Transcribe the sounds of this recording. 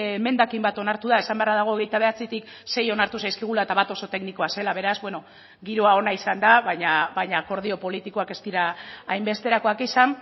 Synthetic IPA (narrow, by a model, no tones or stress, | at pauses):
me̞nd̪akimbat̪o̞naɾt̪uðae̞sambearaðaɣ̞o̞ːɣejt̪aβ̞e̞at͡sit̪ik | se̞jo̞naɾt̪usajskeɣ̞ulaet̪aβat̪o̞so̞t̪e̞kniko̞ase̞laβ̞e̞ɾazbwe̞no̞ | ɡiɾo̞ao̞naisand̪aβajɲabajɲako̞ɾð̞io̞po̞lit̪iko̞ake̞st̪iɾaːjmbe̞st̪e̞ɾako̞akisan